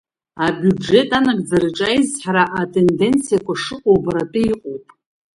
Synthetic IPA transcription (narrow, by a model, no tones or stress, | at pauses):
abʲjue̞tʼanaɡʼd͡zaɾɨʈ͡ʂʼajizħaɾaʔatʼʰe̞nde̞nt͡sʰijakʷaʂɨqʷʼowbaɾapʼiiqʼowpʼ